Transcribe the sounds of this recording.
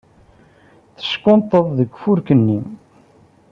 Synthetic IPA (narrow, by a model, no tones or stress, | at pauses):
θə̥ʃkont̪ˤːəðˤðəɡfuɾkənːim